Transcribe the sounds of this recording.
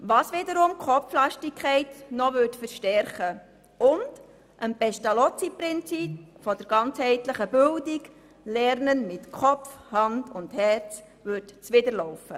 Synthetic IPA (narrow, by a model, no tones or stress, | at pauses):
ʋɑːsʋɪdəɾʊmkχɔflɑʃtɪkʰχɛɪtnɔʋʏtfəɾʃtɛɾχə | ʊnd̥ | ʔənpɛʃtɑlɔt͡sipɾɪnt͡sipfɔdəɾɡ̥ɑnt͡shɛɪtləχəbʏldik | lɛɾnənmɪtkχɔfhɑndʊndhɛrt͡s | ʋʏɾtt͡sʋɪdəɾlɔʊfə